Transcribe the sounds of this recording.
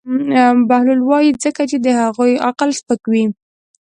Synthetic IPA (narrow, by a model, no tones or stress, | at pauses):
bahlulwɑjizəkat͡ʃed̪əhaɣuja̰qəlspəkwi